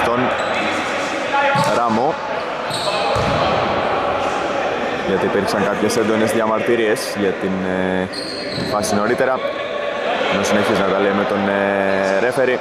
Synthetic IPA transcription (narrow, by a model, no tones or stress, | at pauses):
t̪o̞n | ɾɐmo | ʝɐt̪iːpiɾksɐŋkɐpçe̞send̪o̞ne̞zðʝɐmɐɾt̪iɾie̞sʝɐt̪in | fɐsino̞ɾit̪e̞ɾɐ | nosine̞çiznɐt̪ɐleime̞t̪o̞n | ɾe̞fe̞ɾi